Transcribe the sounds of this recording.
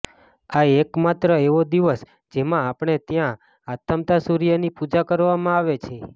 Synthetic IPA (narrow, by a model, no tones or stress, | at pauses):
aekmat̪ɾəeʋod̪iʋəs | d͡ʒemãːpɳ̃et̪jã | at̪ʰəmt̪asuɾijənipud͡ʒakəɾʋamãaʋet͡ʃʰe